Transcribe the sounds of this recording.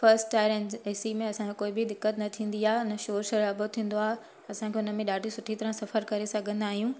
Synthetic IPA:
fɐɾsʈʈːaːɪɾɛneːsimẽɐsãkekoːɪbɪd̪ɪkːət̪nɐt̪ʰĩːn̆d̪iaːɦʊnə̆ʃoːɾʃɐɾaːbʱot̪ʰĩːn̆d̪oaːɦe | ɐsãkʰeʊnə̆mẽɗaːɖʱisʊʈʰit̪ɐɾãsɐfəɾkɐɾesɐɡʱə̃nd̪aːɦijũː

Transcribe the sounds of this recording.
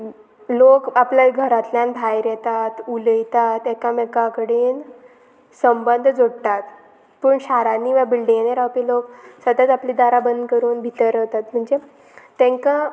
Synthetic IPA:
lokapljaɡʱəɾat̪ljãnb̪ʱajɾɛt̪at̪uləjt̪at̪ɛkamekãkəɽiːn | səmbənd̪ʱd͡zoɽt̪at̪ | pəːɳɕaɾanːiːʋabilɖiŋeneɾaʋpiloksəd̪at͡sapliːd̪aɾabənd̪kəɾuːnbʱit̪əɾəʋt̪at̪m̤əɳd͡ze | t̪ɛ̃ŋka

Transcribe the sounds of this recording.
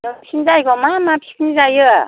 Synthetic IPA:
ɯpʰinzajɡɔmamapʰi̥kʰnizajɯ

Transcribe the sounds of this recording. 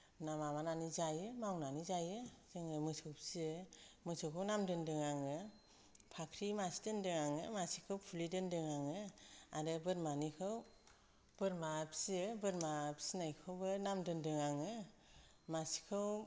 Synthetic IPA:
namamananizajɯmawnanizajɯz̥ɯŋɯmɯsʰɯwpʰsiɯmɯsʰɯkʰɯwnamdɯndɯŋaŋɯ | pʰakʰɾimasi̥dɯndɯŋaŋɯ̰masi̥kʰɯwpʰulidɯndɯŋaŋɯaɾɯbɯɾmanikʰɯw | b̥ɯɾmapʰsiɯbɯɾmapʰsinajkʰɯwbɯnamdɯndɯŋaŋɯ | masi̥kʰɯw

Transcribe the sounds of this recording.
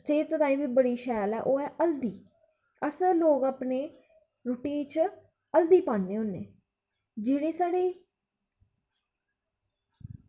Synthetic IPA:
seːt̪ɾaːiːbiːbəɽiːʃɛːlɛ̰ːʔoːɛːʔəld̪iː | əsloːɡaːpneː | ɾʊʈiːt͡ʃ | əld̪iːpãːnːeːʊnːḛː | d͡ʒeːɽeːsaːɽeː

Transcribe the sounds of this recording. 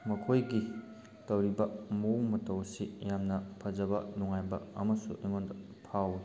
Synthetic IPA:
mɐkʰojɡi | tɐwɾibɐmoŋmɐtɐwsijamnɐpʰɐzɐbɐ̰nuŋajbɐ̰ɐmɐsuʔɐjŋondɐ | pʰaw

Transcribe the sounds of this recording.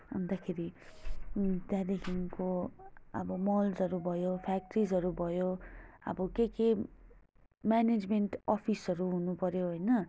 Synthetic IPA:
ɦund̪akʰeɾi | t̪jãd̪ekʰinkoʌ̰bʌmʌld͡zʌɾubʱʌjopʰak̚ʈrizɦʌɾubʱʌjoʌ̰bʌkeke | mjaned͡zmeɳʈʌpʰisʌɾuɦunupʌɾjoɦojnʌ

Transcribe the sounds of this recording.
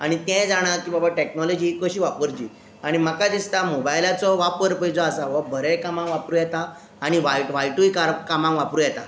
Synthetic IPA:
a̰ɽ̃it̪ɛ̃d͡zaɽ̃akiːbabaʈeknɔlɔd͡ʑiːkəɕiːʋapəɾd͡ʑḭː | aɽ̃im̤əkad̪ist̪amobajlat͡sɔʋapəɾpəjd͡zɔ̃asaʋɔbʱəɾẽjkamãŋʋapɾuːjɛt̪aː | ɽ̃iʋajʈʋajʈuikaɾkamãŋʋapɾuːjɛt̪a̰

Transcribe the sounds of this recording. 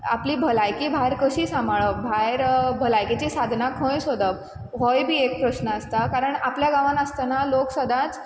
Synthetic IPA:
a̰pliːbʱəlajkiːbʱajɾkəɕiːsamaɭəbʱajɾbʱəlajket͡ɕiːsad̪ʱnakʰə̃jsod̪əp̚ | ɦojbʱiːek̚pɾəɕnəəst̪akaɾəɳapljaɡaʋãnəst̪analoksəd̪ʱãt͡s

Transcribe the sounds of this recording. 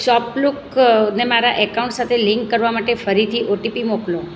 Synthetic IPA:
ʃɔpluknemaɾaʔɛkauɳʈsat̪ʰeliŋkːəɾʋamaʈefəɾit̪ʰiʔoʈipimoklo

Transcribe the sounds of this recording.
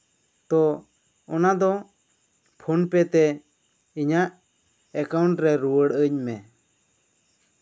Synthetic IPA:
t̪ɔ | ɔnad̪ɔ | pʰonpɛt̪ɛ | iɲaʔ | ɛkawɳʈɾɛɾuwəɽəɲmɛ

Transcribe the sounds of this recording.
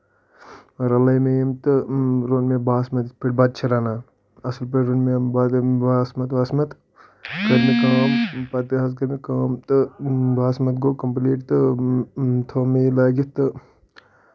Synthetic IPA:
ɾɐlɐjmejimt̪ɨɾonmebaːsmɐt̪peʈbaːd̪̚t͡ʃʰɐɾaːnaː | ɐslpeʈɾonmebaːd̪baːsmɐt̪ʋaːsmɐt̪ | kɐɾmikaːmpat̪iɦaːskɐɾmikaːmt̪ɨbaːsmɐt̪ɡoːkɐmpliːʈt̪ɨ | t̪ʰoːmelaːɡit̪ɨ

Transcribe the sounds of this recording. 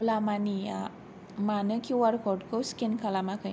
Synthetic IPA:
lamania | manəkiwaɾkɔʈkəwskenkʰalamakə

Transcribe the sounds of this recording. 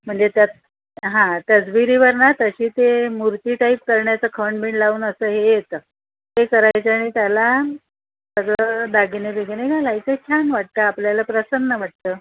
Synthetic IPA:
m̤əɳd͡zet̪jat̪̚ | ɦãt̪əd͡zʋiɾiːʋəɾnat̪əɕiːt̪emuɾt̪iːʈaip̚kəɾɳjat͡səkʰəɳbʱiɳlauːnəsəːɦejet̪ə | ɦekəɾajt͡səaɽ̃it̪jala | t̪əd͡zəd̪aɡnebeɡneɡʱalajt͡səkʰjanʋaʈ̚t̪əapljalapɾəsənːəʋaʈ̚t̪əː

